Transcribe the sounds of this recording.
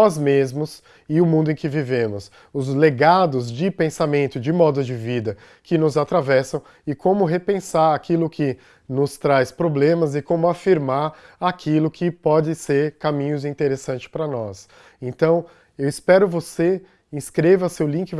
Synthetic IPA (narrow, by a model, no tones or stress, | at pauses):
ɔzmezmʊs | ɪʊmũd̪ʊẽkɪvivẽmʊs | ʊzleɡad̪ʊzd͡ʒɪpẽsamẽnt̪ʊd͡ʒɪmɔd̪ʊd͡ʒɪvid̪ɐ | kɪnʊzat̪ɾavɛsɐ̃w̃ | ɪkõmʊɦepẽsaɾakilʊkʰɪ | nʊst̪ɾajspɾoblẽmɐzɪkõmʊafiɾmaɾakʰilʊkʰɪpɔd͡ʒɪseɾkamĩɲʊzĩt̪eɾesɐ̃nt͡ʃɪ̥spɾɐnɔs | ẽnt̪ɐ̃w̃ | ewɪspɛɾʊvose | ĩskɾevɐsewlĩŋkɪ